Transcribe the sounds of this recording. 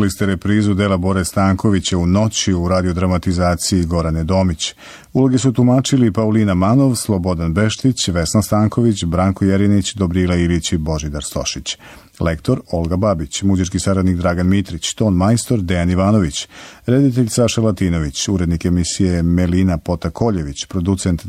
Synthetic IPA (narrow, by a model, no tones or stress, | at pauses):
list̪eɾe̞pɾiːzud̪eːlˠabo̞ɾest̪aːŋko̞ʋit͡ɕauno̞t͡ɕiuɾaːd̪io̞d̪ɾamat̪izaːt̪siiɡo̞ɾaned̪o̞ːmit͡ɕ | ulo̞ɡe̞sut̪umaːt͡ʃilipauliːnamano̞ʋslˠobo̞d̪anbe̞ʃt̪it͡ɕʋe̞snast̪aːŋko̞ʋit͡ɕbɾaːŋko̞jeɾinit͡ɕd̪o̞bɾiːlˠailit͡ɕibo̞ʒid̪aɾst̪o̞̰ʃit͡ɕ | le̞kt̪o̞ɾo̞lˠɡababit͡ɕmud͡ʑiɾkisaɾad̪nikd̪ɾaːɡanmit̪ɾit͡ɕt̪o̞ːnmajst̪o̞ɾd̪ejaniʋaːno̞ʋit͡ɕɾe̞d̪it̪eʎsaʃalˠat̪iːno̞ʋit͡ɕuɾe̞d̪nike̞misije̞melinapo̞t̪akʰo̞ʎe̞ʋit͡ɕpɾo̞d̪ut̪se̞nt̪